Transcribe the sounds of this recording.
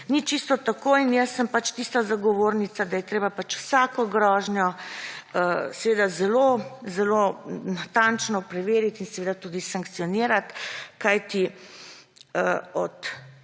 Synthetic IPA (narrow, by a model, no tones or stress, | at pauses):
nit͡ʃist̪ɔt̪akoːinjəsːəmpat͡ʃt̪ist̪azaɡɔʋoːɾnit̪sad̪ajɛt̪ɾeːbapat͡ʃwsaːkɔɡɾɔːʒnjɔ | əsɛʋeːd̪azɛlozɛlonat̪ant͡ʃnɔpɾɛʋeːɾit̪insɛʋeːd̪at̪uːd̪isaŋkt̪sijɔniːɾat̪kajt̪i | əɔt̪